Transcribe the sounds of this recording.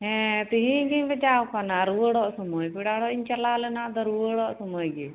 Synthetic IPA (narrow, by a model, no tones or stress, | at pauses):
ɦɛ̃t̪iɦĩɡiɲbɛd͡ʒawkanaɾuwəɽɔʔsɔmɔjpiɽaɽɔʔiɲt͡ʃalalɛnaʔd̪ɔɾuəɽɔʔsɔmɔjɡɛ